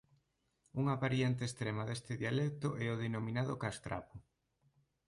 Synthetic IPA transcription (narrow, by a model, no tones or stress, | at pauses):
uŋapaɾjent̪̬est̪ɾemaðest̪eðialɛk̚t̪ʊʔɛoðenomĩnaðʊkast̪ɾa̰pʊ